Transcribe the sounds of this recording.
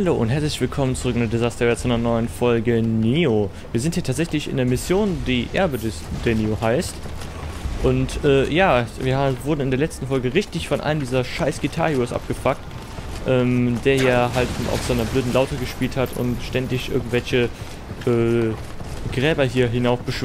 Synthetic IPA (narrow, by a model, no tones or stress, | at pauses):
haloːʔʊnthɦɛɐt͡slɪçv̥ɪlkʰɔmənt͡sʊʁɪɡŋndɐdɪzastɐvɛːɐt͡sʔanɐnɔʏənfɔlɡəneːo | viːɐzɪnthiːtʰaːtz̥ɛçlɪçɪ̰ndeːɐmɪsjoːndiːʔɛ̰ɐbədɛ | d̥ɛːɐneːohaɪst | ʔʊntʔɛːjaːviːɐhavʊɐdn̩ɪndeːɐlɛt͡stn̩fɔlɡəʁɪçtɪçfɔnʔa̰ləmdiːzɐʃaɪsɡ̥itʰa̰ːʁjʊsʔa̰p̚ɡ̥əfak̚t | ʔɛːmd̥eːɐjaːɦalta̰ʊfz̥aɪnɐbløːdn̩laʊtəɡəʃpiːlthatʰʊ̰ntʃtɛndɪçʔɪ̰ɐɡŋ̩tv̥ɛlçə | ʔɛː | ɡ̥ʁɛːbɐɦiːɐɦɪnaʊfb̥əʃ